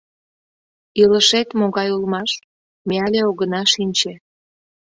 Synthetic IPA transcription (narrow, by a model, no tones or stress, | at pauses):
iləʃet̪moɣɑjulmɑʃ | meɑlʲeoɣənɑʃinʲt͡ɕe